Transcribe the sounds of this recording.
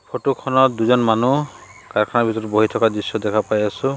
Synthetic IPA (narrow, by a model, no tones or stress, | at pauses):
pʰoʈukʰɔnɔt̚d̪uzɔnmanu | kaɾkʰanabʱit̪ɔɾboɦitʰɔkad̪isjɔd̪ɛkʰapajasʊ